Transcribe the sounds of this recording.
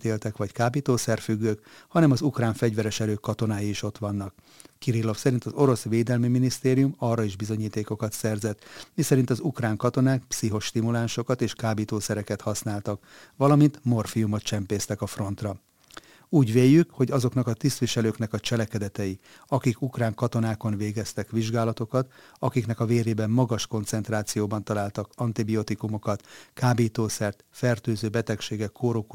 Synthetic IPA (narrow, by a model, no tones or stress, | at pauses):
t̪eːlt̪ɛkʋɒckaːbit̪oːsɛrfyɡːøːkhɒnɛmɒzukraːɱfɛɟʋɛɾɛʃɛɾøːkːɒt̪o̞naːjiiʃo̞t̪ʋɒnːɒkː | iɾilːo̞fsɛɾint̪ɒzo̞ɾo̞sʋeːd̪ɛlmiminist̪eːɾijumɒːrːɒiʒbizo̞ɲiːt̪eːko̞kɒt̪sɛrzɛt̪misɛɾint̪ɒzukraːŋkɒt̪o̞naːkpsiɦo̞ʃt̪imulaːnʃo̞kɒt̪eːʃkaːbit̪oːsɛɾɛkɛt̪hɒsnaːlt̪ɒk | ʋɒlɒmint̪mo̞rfijumot̪t͡ʃɛmpeːst̪ɛkɒfro̞nt̪rɒ | uːɟʋeːjːykho̞ɟɒzo̞knɒkɒt̪ist̪ʋiʃɛløːknɛkɒt͡ʃɛlɛkɛd̪ɛt̪ɛji | ɒkikukraːŋkɒt̪o̞naːko̞nveːɡɛst̪ɛkʋiʒɡaːlɒt̪o̞kɒt̪ | ɒkiknɛkɒveːɾeːbɛmːɒɡɒʃko̞nt̪sɛnt̪raːt̪sijoːbɒnt̪ɒlaːlt̪ɒkɒnt̪ibio̞t̪ikumo̞kɒt̪kaːbiːt̪oːsɛrt̪fɛrt̪øːzøːbɛt̪ɛkʃeːɡɛkʰːoːɾoku